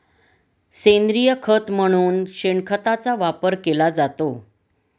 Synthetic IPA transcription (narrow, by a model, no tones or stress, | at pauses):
send̪ɾijəkʰət̪m̤əɽ̃uːnɕeɳkʰət̪at͡saʋapəɾkelad͡zat̪o